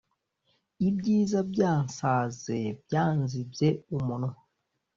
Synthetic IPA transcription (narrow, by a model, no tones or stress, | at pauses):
ibɟiːzabɟaːnsaːzeb̚ɟaːnzibzeumuno